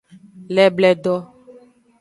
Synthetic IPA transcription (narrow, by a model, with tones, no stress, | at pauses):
lɛ˨blɛ˨ɖɔ˦